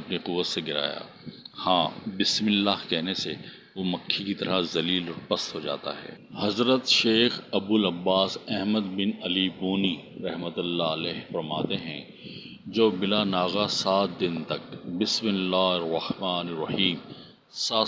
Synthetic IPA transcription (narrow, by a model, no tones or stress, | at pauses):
ɐpniqʊʋːət̪seɡɪɾa̰ːja̰ːhãːbɪsmɪlːaɦkɛɦnese | ʋomɐkʰːikit̪ɐɾazɐliːlɔːɾpɐst̪ɦoːd͡ʒa̰ːt̪a̰ɦɛ̰ː | hɐzɾət̪ʃeːxɐbʊlɐbːaːsɛɦməd̪bɪnɐlibuːniɾɐɦmət̪ʊlːaəlɛːɦfɐɾmaːt̪eɦɛ̃ | d͡ʒoːbɪlanaːɣasaːt̪̚ʰd̪ɪnt̪ɐkbɪsmɪlːaːɦɪrɐhmaːnɾɐhiːm | saː